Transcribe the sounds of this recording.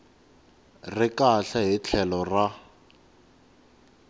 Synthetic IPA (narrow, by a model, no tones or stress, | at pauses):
rɪkaɬaɦit͡ɬʰɛlɔra